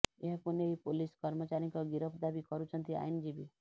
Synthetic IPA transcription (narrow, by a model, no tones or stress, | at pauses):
eɦakuneɦipoliskɔɾmət͡ʃaɾĩkɔɡiɾəpʰd̪abikɔɾut͡ʃʰənt̪ia̰jnd͡ʒibi